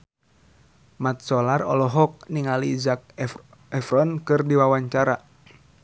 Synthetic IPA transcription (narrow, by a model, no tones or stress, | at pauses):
mat̪̚sɔlarɔ̰lɔɦɔk̚niŋaliːzak̚ | ɛfɾɔnkɨrdiwawaɲt͡ʃaɾa